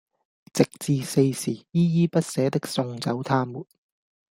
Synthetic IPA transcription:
t͡sɪ˨k̚t͡siː˨˧se˧jsiː˨˩jiː˥jiː˥pɐ˥t̚sɛː˨˥t̪ɪ˥k̚sʊ˧ŋt͡sɐ˨˥wt̪ʰaː˥muː˨˩t̚

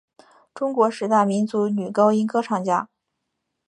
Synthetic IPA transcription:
ʈ͡ʂʊ˥ŋkwɔ˧˥ʂɻ̩˧˥t̪a˥˩ɪmi˧˥nt͡su˧˥ny˨˩kɑ˥ʊi˥nkɤ˥ʈ͡ʂʰɑ˥˩ŋt͡ɕja˥

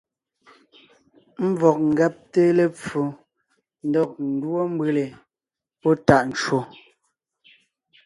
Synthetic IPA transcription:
m̩˦vɔ˨k̚ŋ̩˨ɡɛ˦p̚te˦le˨p͡fu˨ | n̩˦dɔ˨k̚n̩˨dwɔ˦m̩˦be˨le˨ | pɔ˦ta˦˨ʔn̩˨t͡ʃwo˨

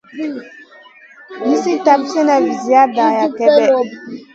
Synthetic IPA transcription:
mi˦si˦ta˨bsɛ˦na˨vi˨zi˨ja˦ba˨ja˨kɛ˨bɛ˦ʔ

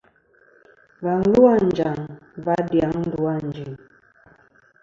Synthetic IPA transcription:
va˨n̩˦lu˦a˦˨n˨d͡ʒa˨ŋva˦dja˨˦ŋn̩˦du˦a˦˨n̩˨d͡ʒi˨ŋ

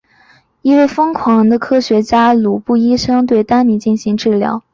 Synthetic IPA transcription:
i˥we˥˩ɪfɤ˥ŋkʰwɑ˧˥ŋd̪ə˧kʰɤ˥ɕɥɛ˧˥t͡ɕja˥lu˨˩pu˥˩i˥ʂɤ˥ŋt̪we˥˩ɪt̪a˥nni˧˥˦t͡ɕi˥˩nɕi˧˥ŋʈ͡ʂɻ̩˥˩ljɑ̰˧˥ʊ

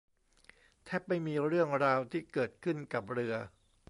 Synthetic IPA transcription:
t̪ʰɛː˥˩p̚ːa˥˧jmiː˧ɾɯ˥˩əŋɾaː˧wt̪ʰiː˥˩kɤː˨˩t̪̚kʰɯ˥˩nka˨˩p̚ɾɯ˧ɐ

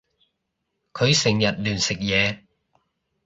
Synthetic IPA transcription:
kʰɵ˨˧ɥsɪ˨˩ŋjɐ˨t̚lyː˨˩nsɪ˨k̚jɛː˨˧

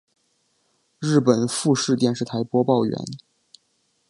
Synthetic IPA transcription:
ɻɻ̩˥˩pə˨˩nfu˥˧ʂɻ̩˥˧t̪jɛ˥˧nʂɻ̩˥˩t̪ʰa˧˥ɪpwɔ˥pɑ˥˩ʊɥɛ̰˧˥n

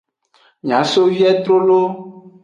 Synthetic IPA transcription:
ɲ˨ã˨˦so˦vi˦ɛ˦t̪ɾo˦lo˦

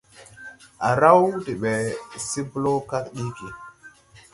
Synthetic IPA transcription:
a˨ɾa˦wdi˨ɓe˨si˦blo˦ka˦kɗi˦ki˨

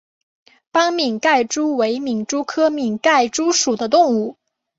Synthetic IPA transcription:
pɑ˥ŋmi˨˩ŋka˥˩ɪʈ͡ʂu˥we˧˥ɪmi˨˩ŋʈ͡ʂu˥kʰɤ˥mi˨˩ŋka˥˩ɪʈ͡ʂu˥ʂu˨˩d̪ə˦t̪ʊ˥˧ŋu˥˩

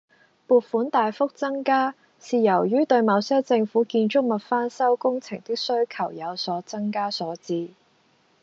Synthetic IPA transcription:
puː˨t̚fuː˨˥nt̪aː˨jfʊ˥k̚t͡sɐ˥ŋkaː˥ | siː˨jɐ˨˩wjyː˥t̪ɵ˧ɥmɐ˨˧wsɛː˥wt͡sɪ˧ŋfuː˨˥kiː˧nt͡ʃʊ˥k̚mɐ˨˩t̚faː˥nsɐ˥wkʊ˥ŋt͡sʰɪ̰˨˩ŋt̪ɪ˥k̚sɵ˥ɥkʰɐ˨˩wjɐ˨˧wsɔː˨˥t͡sɐ˥ŋkaː˥sɔː˨˥t͡siː˧

